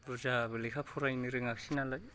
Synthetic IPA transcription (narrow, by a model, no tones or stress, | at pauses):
buzabɯlikʰapʰuɾajniɾɯŋak̚sinalaj